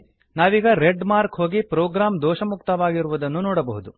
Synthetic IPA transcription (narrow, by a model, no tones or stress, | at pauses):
naːʋiːɡɐɾeɖmaːɾkɦoːɡipɾoːɡɾaːmd̪ɔːʃɐmukt̪ɐʋaːɡiɾuʋud̪ɐnːunɔːɽɐbɐɦud̪u